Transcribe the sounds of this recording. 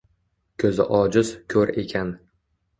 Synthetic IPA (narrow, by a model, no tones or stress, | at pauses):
kʲʰɵzɪ̰ʔɒd͡ʒɪzkʲʰɵɾe̞̰kʲʰan